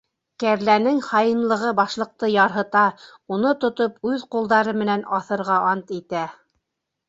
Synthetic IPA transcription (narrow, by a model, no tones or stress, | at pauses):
kæɾlænɘŋχɑjɤ̆nlˠɤ̆ʁɤbɑʃlˠɤ̆q̚t̪ɤjɑɾɦɤ̆t̪ɑ | unot̪ŏt̪opʉðqulˠd̪ɑɾɤmɘ̆nænɑθɤ̆ɾʁɑʔɑnt̪it̪æ